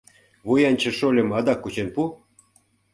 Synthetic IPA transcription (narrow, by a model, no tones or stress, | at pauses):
βujɑnʲt͡ɕə̆ʃolʲə̆mɑd̪ɑkːut͡ɕenpu